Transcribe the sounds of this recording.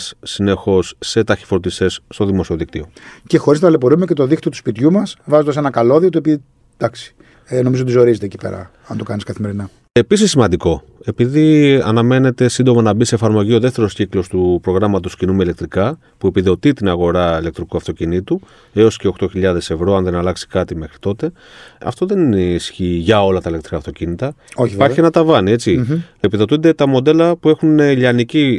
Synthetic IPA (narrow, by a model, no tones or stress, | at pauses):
ssine̞xo̞sːe̞t̪ɐçi̥fo̞ɾt̪ist̪e̞sːt̪o̞ðimo̞sio̞ðikt̪io̞ce̞xo̞ɾiznɐlep̬oɾumece̞t̪o̞ðikt̪io̞t̪u̥spit̪çumɐsvɐzod̪ɐs̬enɐkɐlo̞ðiot̪oepi | d̪̥ɐksi̥ | eno̞mizoot̪izo̞ɾizet̪ecipḛɾɐ̰ | ɐnt̪o̞kɐniskɐθime̞ɾinɐ | e̞pisisːimɐnd̪iko̞ | e̞piðiɐ̰nɐme̞ne̞t̪e̞sind̪o̞mɐnɐbise̞ːfɐɾmo̞ʝio̞ðe̞ft̪e̞ɾo̞sciklo̞st̪upɾo̞ɣɾɐmɐt̪̬o̞scinumeile̞k̚t̪ɾikɐ | pue̞piðo̞t̪it̪inɐɣo̞ɾɐilekt̪ɾikuɐft̪o̞cinit̪u | e̞o̞sce̞o̞xt̪oçiʎɐðe̞se̞vɾo̞ɐnðe̞nɐlɐksi̥kɐt̪ime̞xɾi̥t̪o̞t̪e̞ | ɐ̰ft̪o̞ðe̞nieisçiʝɐo̞lɐt̪ɐilekt̪ɾikɐft̪o̞cinit̪ɐoiipɐɾçie̞nɐt̪ɐvɐnie̞t͡siepiðo̞t̪und̪e̞t̪ɐmo̞d̪e̞lɐpue̞xuneʎɐnici